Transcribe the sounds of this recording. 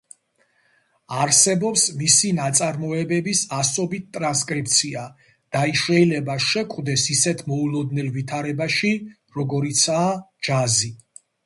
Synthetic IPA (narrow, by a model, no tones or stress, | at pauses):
aɾsɛbɔpsmisinat̪sʼaɾmɔɛbɛbisasɔbit̪̚t̪ʼɾanskʼɾip̚t̪sʰia | d̪̥aiʃɛilɛbaʃɛkʼwd̪ɛsisɛt̪ʰmɔulˠɔd̪nɛlvit̪ʰaɾɛbaʃi | ɾɔɡɔɾit̪sʰaːd͡ʒazi